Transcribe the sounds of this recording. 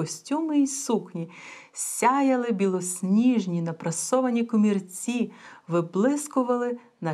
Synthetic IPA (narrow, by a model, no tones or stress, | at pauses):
ɔsʲtʲumɪisuknʲisʲajɐlˠɪbʲilˠɔsʲnʲiʒnʲinɐpɾɐsɔʋɐnʲikɔmʲirt͡sʲiʋɪblˠɪskʊʋɐlˠɪ | nɐ